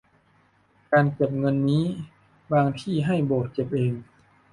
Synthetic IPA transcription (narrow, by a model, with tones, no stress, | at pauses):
kaː˧nke˨˩p̬̚ŋɤ˧nːiː˦˥ | baː˧ŋt̪ʰiː˧˥˩ɦa˥˩jboː˨˩t̪̚t͡ɕe˨˩p̚ʔeː˧ŋ